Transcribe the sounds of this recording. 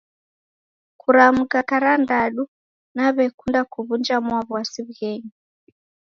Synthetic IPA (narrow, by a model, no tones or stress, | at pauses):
kʰuɾamukakaɾandaɗu | naβɛkundakuβund͡ʒamwaβwasiβɣɛɲi